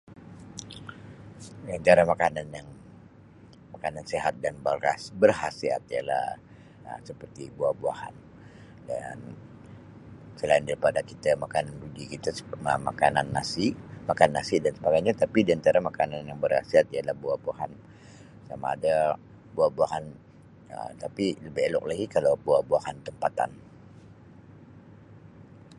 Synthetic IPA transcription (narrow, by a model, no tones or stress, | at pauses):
diant͡ʃaɾamakananjaŋ | makananseɦat̪̚danbrasbərhasia̰t̪̚ija̰la̰ | ə̰səpərt̪ibuahbua̰ha̰n | da̰n | səlaɪndaɾipadakit̪amakananrud͡ʒikit̪asməma̰kananːasimakanːasidansəpaɡajɲat̪apidiant̪aɾamakananjaŋbərha̰siat̪̚ijalahbuahbuahan | sama̰ːda | buahbuaɦan | ə̰t̪apiləbielɔ̰k̚laɡikalawbuahbuahant̪əmpat̪a̰n